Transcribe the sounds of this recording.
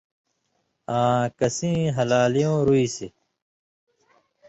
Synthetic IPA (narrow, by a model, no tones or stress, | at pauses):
ãːkɐsĩːɦɐlaːlijõːɾuiːse